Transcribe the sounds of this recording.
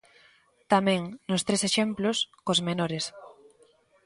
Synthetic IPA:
t̪amɛ̃ŋnʊst̪ɾeseʃemplʊskozmenoɾes

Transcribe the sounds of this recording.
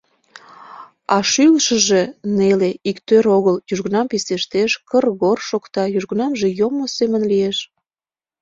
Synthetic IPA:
ɑʃylʃəʒeneleikt̪øɾoɣəljyʒɣənɑmpiseʃt̪eʃkərɣorʃokt̪ɑjyʒɣənɑmʒejomosemənlijeʃ

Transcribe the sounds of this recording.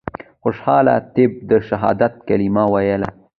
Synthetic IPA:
xʊʃhɑːla̰t̪ɪb̚d̪əʃaɦɑ̰ːd̪at̪̚kalimawajəla

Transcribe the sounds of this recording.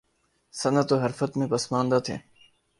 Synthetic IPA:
sɐnət̪oɦɐɾfət̪mẽpɐsmãːnd̪aːt̪ʰḛː

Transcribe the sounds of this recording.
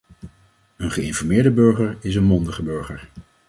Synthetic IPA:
ənχəɪnfɔɹmɪːɹdəbøɹχəɹɪs̬ənmɔndəχəbɵɹχəɹ

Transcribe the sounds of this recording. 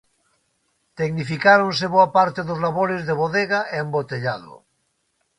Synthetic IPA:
t̪eɣnifikaɾonseβoapaɾt̪eðozlaβoɾezðeβ̞oðeɣaʔembot̪eʎaðo̰

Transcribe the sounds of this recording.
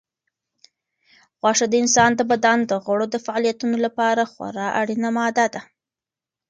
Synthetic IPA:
ɣwɑʂad̪əɪnsɑnd̪əbad̪and̪əɣəɽod̪əfaɑlijat̪unolapɑɾaxwa̰ɾɑʔa̰ɽinamɑd̪ad̪a

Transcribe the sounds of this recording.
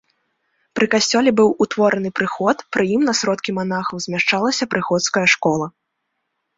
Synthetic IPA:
pɾɨkasʲt͡sʲɔlʲɛbɨwut̪vɔɾʔɐn̪ɨpɾɨxɔt̪pɾɨjimnɐsɾɔt̪kʲiman̪axɐwzʲmʲaʂt͡ʂalˠɐsʲɐpɾɨxɔt̪skɐjɐʂkɔlˠɐ

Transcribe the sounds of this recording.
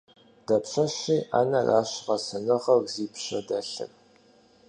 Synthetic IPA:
d̥ɐpɕɐɕiːʔa̰ːnɐrʔaːɕʁɐsɐnɨʁɐwʷziːpɕɐ̰dɐɬɨ̰r

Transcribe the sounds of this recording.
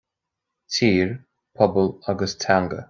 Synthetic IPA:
tʰiːɹ | pʰɔbəlaɡəstʰaŋɡə̰

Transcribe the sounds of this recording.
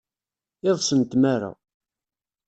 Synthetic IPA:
ɪðˤsənt̪maɾa̰

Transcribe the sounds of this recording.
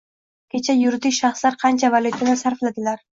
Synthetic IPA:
kʲʰet͡ʃʰajʊɾd̪ɪʃɑχslaɾqʰɑnt͡ʃʰavalˠut̪ʰad̪asaɾflad̪ɪlaɾ

